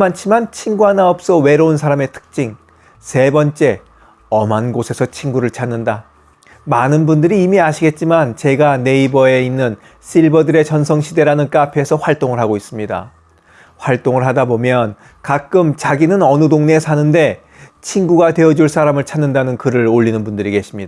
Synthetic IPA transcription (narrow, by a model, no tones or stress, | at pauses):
mant͡ɕʰimant͡ɕʰiŋɡuanaʌp̚s͈ʌwe̞ɾounsʰaɾame̞tʰɯ̥k̚t͡ɕ͈iŋ | se̞bʌnt͡ɕ͈e̞ | ʌmanɡosʰe̞sʰʌt͡ɕʰinɡuɾɯɭt͡ɕʰanːɯnda | manɯnbundɯɾiːmiaɕʰiɡe̞t̚t͡ɕ͈imant͡ɕe̞ɡane̞ibʌe̞inːɯn | sʰiɭbʌdɯɾe̞t͡ɕʌnsʰʌŋɕʰide̞ɾanɯnk͈apʰe̞sʰʌɸwaɭt͈oŋɯɭɦaɡois͈ɯmɲida̰ | ɸwaɭt͈oŋɯɭɦadabomjʌn | kak͈ɯmt͡ɕaɡinɯnʌnɯdoŋne̞sʰanɯnde̞ | t͡ɕʰinɡuɡate̞ʌd͡ʑuɭs͈aɾamɯɭt͡ɕʰanːɯndanɯnkɯɾɯɾoʎːinɯnbundɯɾike̞ɕʰimɲida